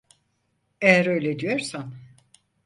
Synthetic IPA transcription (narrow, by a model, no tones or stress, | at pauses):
ejæɾø̞jlʲed̪yjoɾsan